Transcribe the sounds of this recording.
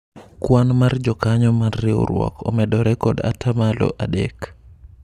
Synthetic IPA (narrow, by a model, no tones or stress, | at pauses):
kwanmard͡ʒɔkaɲɔmarːɪo̰ɾwɔ̰kʰɔ̰mɛdɔɾɛkɔda̰tʰamalɔ̰ʔadɛ̰k